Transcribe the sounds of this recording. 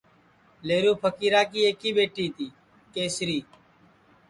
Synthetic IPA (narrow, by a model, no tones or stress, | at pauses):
leːɾoːpʰəkiːɾaːkiːeːkiːbeːʈiːt̪iː | keːsɾiː